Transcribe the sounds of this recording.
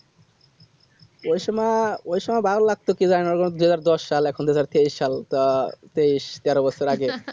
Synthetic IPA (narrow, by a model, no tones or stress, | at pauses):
ojʃɔmaojʃɔmajbaoɾlaɡ̚t̪okizaenɔɾkʰond̪uɦazaɾd̪ɔʃːalɛkʰond̪uɦazaɾt̪eiʃːal | t̪eiʃt̪ɛɾobɔsʰeɾaɡe